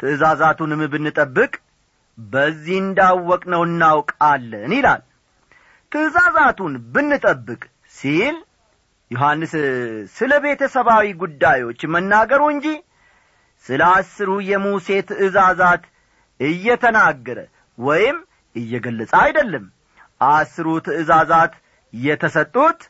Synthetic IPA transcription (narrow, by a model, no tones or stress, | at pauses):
t̪ʰɨɨzazat̪unɨmbɨnːɨt̪ʼəbːɨkʼ | bəzːihɨnd̪awːɔkʼnəwɨnːawkʼalːənɪla̰l | t̪ʰɨɨzazat̪unbɨnːɨt̪ʼəbːɨkʼ | sil | joɦanːɨssɨləβe̞t̪ʰəsəβawiɡud̪ːajwo̞t͡ʃːmənːaɡəɾuɨɲd͡ʒi | sɨləasːɨɾujɛmuse̞t̪ʰɨʔɨzazat̪ | ɨjːɛt̪ʰənaɡːəɾə | wɔjɪm | ɨjːɛɡəlːət͡sʼəajd̪əlːəm | ʔasɨɾut̪ʰɨɨzazat̪ | jɛt̪ʰəsət̪ʼːut̪